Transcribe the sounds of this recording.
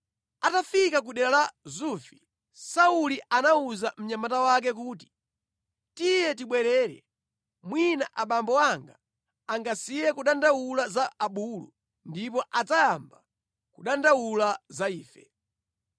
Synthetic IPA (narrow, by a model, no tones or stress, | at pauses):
atafikak̬uɗɛɾalazufi | sauliʔanauzam̩ɲamatawak̬ɛk̬uːti̥ | tijɛt̬iɓwɛɾɛːɾɛ̰ | mwinaʔaɓambɔaŋɡa | aŋɡasijɛkuɗandawulazaːɓuːlṵ | ndipɔʔad͡zajamba | kuɗandawulazaiːfɛ